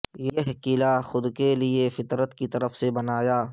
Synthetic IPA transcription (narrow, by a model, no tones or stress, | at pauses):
jeɦkiːlaxʊd̪keliefɪt̪ɾət̪kit̪ɐɾəfsebɐnaːjaː